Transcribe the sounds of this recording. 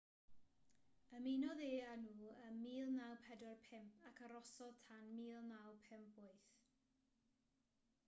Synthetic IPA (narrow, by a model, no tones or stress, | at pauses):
əminɔðeːanuːəmiːlˠnawpʰɛdɔrpʰɪmpʰakʰaɾɔsɔðtʰanmiːlˠnawpʰɪmpbʊɨθ